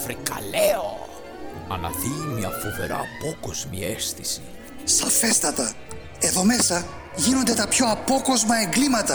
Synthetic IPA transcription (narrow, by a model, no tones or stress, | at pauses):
fɾikɐ̰leo̰ | ɐnɐ̰ðimiɐ̰fovḛɾɐ̰ːpokoz̥mḭest̪isi̥ | sɐfest̪ɐt̪ɐ | e̞ðo̞me̞sɐ | ʝino̞nd̪e̞t̪ɐpço̞ɐpo̞ko̞zmɐe̞ŋɡlimɐt̪ɐ